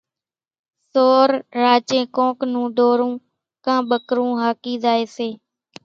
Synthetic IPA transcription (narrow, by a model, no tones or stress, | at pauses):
soːɾːaːt͡ʃẽːkõːknũːɖoːɾũː | kãːɓəkɾũːɦaːkiːzaːeːseː